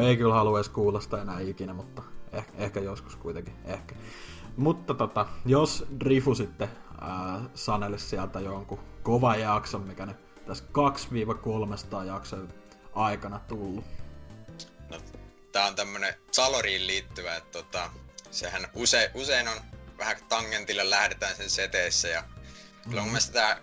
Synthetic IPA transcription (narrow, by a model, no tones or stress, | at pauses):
eikylhɑluɑiskuːlːɑst̪ɑenæːikinæmut̪ːɑehehkæjosku̥skuit̪eŋkiehkæ̥ | mut̪ːɑt̪ot̪ɑjosdrifusit̪ːe | əːsɑnelessiælt̪æjoŋkukoʋɑjɑksommikæny | t̪æskɑksʋiːʋɑkolmest̪ɑːjɑkso | ʔɑikɑnɑt̪ulːu | no | t̪æːont̪æmːønesɑloriːlliːt̪ːyʋæet̪t̪ot̪ɑsehænuseiʔuseinonʋæhækt̪ɑŋːent̪ilːellæhɾet̪æːnsenset̪eˑːsːæjɑ | silːoŋkumesit̪æ